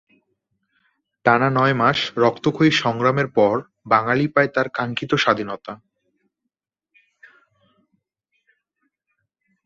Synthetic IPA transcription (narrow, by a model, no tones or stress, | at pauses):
ʈananɔemaʃɾɔkt̪okʰoiʃɔŋɾameɾpɔɾ | baŋalipaet̪aɾkaŋkit̪oʃad̪ʱinɔt̪a